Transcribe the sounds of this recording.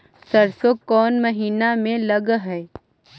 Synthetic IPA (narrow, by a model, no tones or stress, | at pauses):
sɐɾsokɔːnmɐɦiːnamẽlɐɡɦɛː